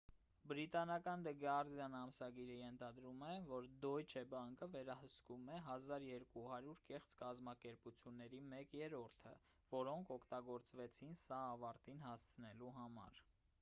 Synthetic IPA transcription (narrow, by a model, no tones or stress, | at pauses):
bəɾit̪ɑnɑkɑnd̪əɡɑɾzjɑnɑmsɑɡiɾəjɛnt̪ʰɑd̪ɾumɛvɔɾd̪ɔjt͡ʃʰɛbɑŋkəvɛɾɑhəskumɛɦɑzɑɾjɛɾkuɦɑɾjuɾkɛχt͡skɑzmɑkɛɾput͡sʰjunːɛɾimɛkjɛɾɔɾt̪ʰə̰ | vɔɾɔŋkʰɔkʰt̪ɑɡɔɾt͡svɛt͡sʰinsɑːvɑɾt̪inhɑst͡sʰənɛluɦɑmɑ̰ɾ